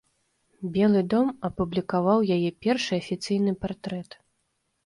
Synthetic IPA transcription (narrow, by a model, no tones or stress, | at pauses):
bʲɛlˠɨd̪ɔmɐpublʲikavawjajɛpʲɛrʂɨɐfʲit̪sɨjn̪ɨpart̪ɾɛt̪